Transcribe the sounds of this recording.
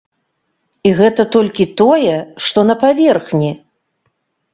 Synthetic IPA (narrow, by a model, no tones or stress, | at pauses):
iɣɛt̪ɐt̪ɔlʲkʲit̪ɔjɛʂt̪ɔnɐpavʲɛrxnʲi